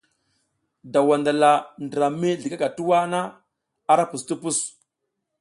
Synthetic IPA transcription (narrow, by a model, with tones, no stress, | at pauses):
da˨wa˨nda˨la˨ndɾa˨me˦ɮi˨ka˦ɡa˨tu˦wa˦na˦ | a˦ɾa˦pu˨stu˦pu˦s